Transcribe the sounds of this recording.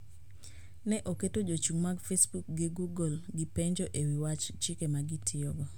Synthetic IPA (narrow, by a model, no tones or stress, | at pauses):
nɛʔoketod͡ʒot͡ʃuŋmaɡfesbuk̚ɡɪɡuɡɔlɡɪpeɲd͡ʒoʔewiwat͡ʃt͡ʃɪkemaɡɪtʰɪɔɡɔ